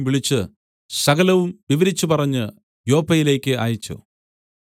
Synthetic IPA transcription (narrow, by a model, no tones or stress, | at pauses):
mʋiɭit͡ɕːɨ | sɐɣɐlɐʋumʋiʋɐɾit͡ɕːupɐrɐɲːɨ | jo̞ːpːɐjile̞ːkʲːɨʔa̰ːjit͡ɕːṵ